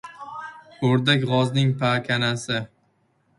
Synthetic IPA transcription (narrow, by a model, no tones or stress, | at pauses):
ɵɾd̪akʲʁɒznɪŋpʰakʲʰanasɪ